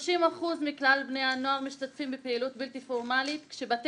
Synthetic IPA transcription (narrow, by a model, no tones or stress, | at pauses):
ʃimaχuzmiklalbnejhanoaʁmiʃtat̪fimbepeilut̚biltifoʁmalit̪kʃebat̪